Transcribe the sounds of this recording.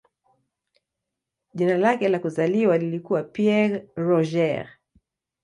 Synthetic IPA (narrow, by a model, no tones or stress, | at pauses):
ʄinalakɛlakuzaliwalilikuwapiɛɾɾɔʒɛɾ